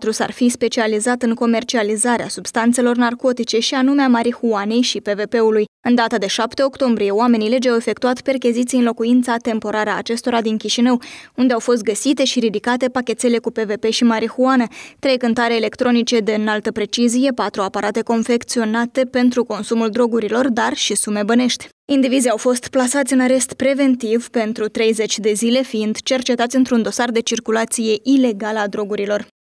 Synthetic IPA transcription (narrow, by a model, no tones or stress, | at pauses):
t̪ɾusa̰rfispe̞t͡ʃializat̪ɨŋko̞me̞rt͡ʃializaɾeasub̥st̪ant̪se̞lo̞rnarko̞t̪it͡ʃe̞ʃianumeamaɾixuane̞jʃipe̞ve̞pe̞ulujɨnd̪at̪əd̪e̞ʃapt̪e̞o̞kt̪o̞mbɾije̞oame̞nile̞d͡ʒawe̞fe̞kt̪uat̪perkʲizit̪sijɨnlo̞kuint̪sat̪e̞mpo̞ɾaɾeaːt͡ʃe̞st̪o̞ɾad̪iŋkʲiʃinəwund̪eawfo̞s̬t̪̚ɡəsit̪e̞ʃiɾid̪ikat̪e̞pakʲe̞t̪sele̞kupe̞ve̞pe̞ʃimaɾixuanət̪ɾe̞jkɨnt̪aɾe̞ːle̞kt̪ɾo̞nit͡ʃe̞d̪eɨnalt̪əpɾe̞t͡ʃizije̞pat̪ɾuapaɾʔat̪e̞ko̞nfe̞kt̪sio̞nat̪e̞pe̞nt̪ɾuko̞nsumuld̪ɾo̞ɡuɾilo̞rd̪arʃisume̞bəne̞ʃt̪ʲ | ind̪ivizeawfo̞st̪plasat̪sʲɨnaɾe̞st̪pɾe̞ve̞nt̪ivpe̞nt̪ɾut̪ɾe̞jze̞t͡ʃʲd̪e̞zile̞fiind̪t͡ʃe̞rt͡ʃe̞t̪at̪sʲɨnt̪ɾund̪o̞sard̪e̞t͡ʃirkulat̪sije̞ʔile̞ɡaləad̪ɾo̞ɡuɾilo̞r